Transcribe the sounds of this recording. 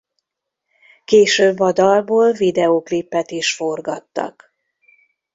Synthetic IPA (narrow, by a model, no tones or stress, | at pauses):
keːʃøːbːɒd̪ɒlboːlvid̪ɛoklipːɛt̪iʃfo̞rɡɒt̪ːɒ̰k